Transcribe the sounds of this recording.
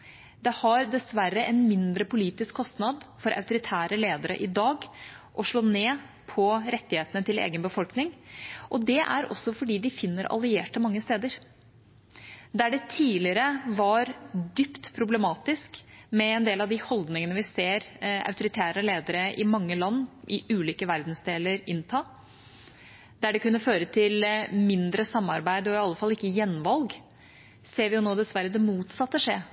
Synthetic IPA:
d̪ɛhɑɾd̪ɛsʋæɾːəʔɛnmɪnd̪ɾəpʊliːt̪ɪskʰːɔst̪nɑd̪fɔɾʔɑ̰ʉt̪ʊɾɪt̪ʰæːɾəleːd̪əɾə̰ʔɪd̪ɑːɡ | ʔɔʂɭoːneː | pʰɔɾɛt̪ːɪheːt̪ənət̪ʰɪlḛːɡənbəfɔlknɪŋʔɔd̪ɛʔæ̰ɾɔ̰sːɔfɔɖiːd̪ɪfɪnːəɾɑ̰lɪeːʈəmɑŋːəst̪eːd̪əɾ | d̪æɖɛt̪ʰiːlɪəɾəʋɑɾd̪ʏpt̪pʰɾʊblɛmɑːt̪ɪskmɛɛnd̪eːlɑʋd̪ɪhɔld̪nɪŋənəʋɪseːɾɑ̰ʉt̪ʊɾɪt̪ʰæːɾəleːd̪əɾəʔɪmɑŋːəlɑnːʔɪʔʉːliːkəʋæɾd̪nsd̪eːləɾɪnt̪ʰɑː | d̪æɖɛkʉnːəføːɾət̪ʰɪlmɪnd̪ɾəsɑmːɑɾbæɪd̪ɔɪɑlːəfɑlːɪkːəjɛnːʋɑlɡ | seːɾʋɪjʊnoːd̪ɛsʋæɾːəd̪ɛmuːt̪sɑt̪ːəʂeː

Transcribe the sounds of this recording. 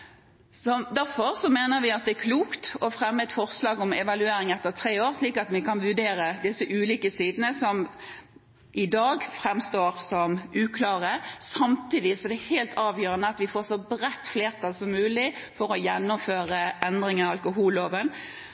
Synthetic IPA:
sɔd̪æɾfɔʁsɔmeːnəɾʋɪɑt̪̚d̪ɛækʰluːkt̪ɔfʁɛmːəɛt̪fɔʁslɑːɡɔmɛʋɑlʉeːɾɪŋɛt̪ːəʁt̪ʰʁeːoːʁsliːkɑt̪ʋɪkɑnʋʉd̪eːɾəd̪ɪsːəʔʉːliːkəsiːd̪ənəsɔm | ʔɪd̪ɑːɡfʁɛmst̪oːʁsɔmʔʉːkʰlɑːʁəsɑmt̪iːd̪ɪsɔd̪ɛæheːlt̪ɑːʋjøːɾənəɑt̪ʋɪfoːʁsɔbʁɛt̪ːfleːʁt̪ʰɑlsɔmːʉːlɪfɔɾɔjɛnːʊmføːɾəɛnd̪ɾɪŋənɑɑlkʊɦuːlːoːʋən

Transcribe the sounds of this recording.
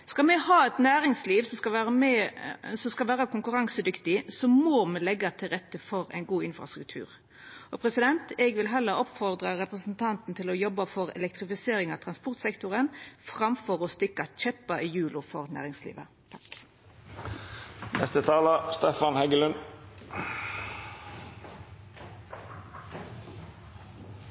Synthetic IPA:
skɑmɛhɑːɛt̪næːɾɪŋsliːʋsɔkɑʋæːm | sɔskɑlʋæːɾəkʰʊŋkʉɾɑŋsəd̪ʏkt̪ɪsɔmoːmɛlɛɡːɑt̪ʰɪʁɛt̪ːəfɔɾæ̰ɪnɡuːɪnfɾɑ̰st̪ɾʉk̚t̪ʰʉ̰ːʁ | ʔɔpʰɾɛsɪd̪ɛnt̪ɛɡʋɪlɦɛlːəɾɔpfɔʁd̪ʁəɾɛpɾəsn̩t̪ʰɑnt̪n̩t̪ʰɪlɔjɔbːəfɔɾɛ̰lɛk̚t̪ɾɪfɪseːɾɪŋɑt̪ʰɾɑnspɔɾt̪sɛkt̪ʊʁənfʁɑmfɔʁɔst̪ɪkːɑt͡ʃɛpːɑɪjʉːlʊfɔʁnæ̰ːʁɪŋslḭːʋə̰ | t̪ʰɑk | nʔɛ̰st̪ət̪ʰɑːləst̪ɛfɑnhɛɡəlʉn

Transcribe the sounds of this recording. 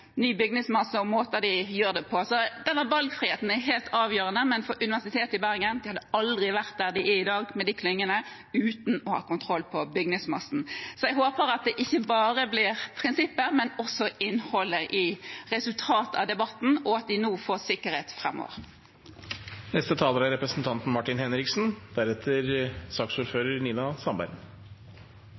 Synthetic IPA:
nyːbʏɡnɪŋsmɑsːəɔmoːt̪əd̪ɪjøːʁd̪ɛpʰɔsɔd̪ɛnːəbɑlɡfɾiːheːt̪n̩æɦeːlt̪ʰɑːʋjøːɾənəmɛnfɔɾʔʉnɪʋæsɪt̪ʰeːt̪ɪbæʁɡənd̪ɪhɑd̪əɑld̪ʁɪʋæʁt̪̚d̪æʁd̪ɪʔɪɪd̪ɑːɡmɛd̪ɪkʰlʏŋːənə | ʉːt̪n̩ɔhɑ̰ːkʊnt̪ʰʁɔlːpʰɔbʏɡnɪŋsmɑsn̩sɔjɛɡɦoːpəɾɑt̪̚d̪ɛʔɪçːəbɑːɾəblɪʁpʰɾɪnsɪpːəmɛnɔsɔɪnhɔlːəʔɪʁɛsʉlt̪ʰɑːt̪əɑ̰ʋd̪ɛbɑt̪n̩ɔɑt̪̚d̪ɪnuːfoːsɪkːəɾheːt̪fʁɛmːɔ̰ʋə̰ʁ | nɛst̪ət̪ʰɑːləɾæɾɛpɾəsn̩t̪ʰɑnt̪n̩mɑʈɪnhɛnɾɪksn̩d̪̥æɾɛt̪ʰəɾsɑːksuːɾføːɾəɾɳiːnɑsɑmbæ̰ɾn

